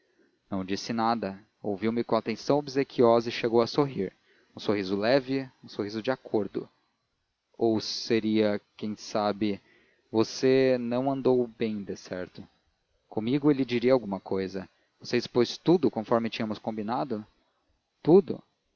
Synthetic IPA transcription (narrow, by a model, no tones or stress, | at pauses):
nɐ̃w̃d͡ʒisɪnad̪ɐ | o̰wviwmɪkõat̪ẽsɐ̃w̃obizekʰiɔzɐɪʃeɡowɐsoɦiɾ | ũsoɦizʊlɛvɪũsohizʊd͡ʒɪakʰoɾd̪ʊ̰ | owseɾiɐkẽj̃sabɪ | vosenɐ̃w̃ɐ̃nd̪owbẽj̃d̪esɛɾt̪ʊ | kõmiɡʊelɪd͡ʒiɾiɐawɡũmɐkojzɐ | voseɪspojst̪ud̪ʊkõfɔɾmɪt͡ʃĩɲɐmʊskõmbinad̪ʊ | t̪ud̪ʊ̰